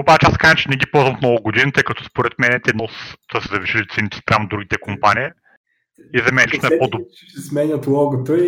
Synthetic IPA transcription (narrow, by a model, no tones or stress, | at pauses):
obat͡ʃɛaskazət͡ʃɛnɛɡʲipɔlˠzvɐmfnɔɡʊɡod̪init̪əjkɐt̪ɔspoɾɛt̪mɛnɛt̪ɛnɔst̪əsɛzɐviʃilit̪sinit̪ɛ̥st̪ɾavnd̪ɾuɡʲit̪ɛkompanii | izɐmɛnliʃt̪oɛpɔd̪ob | ɛsmɛɲʲət̪lˠɔɡot̪əi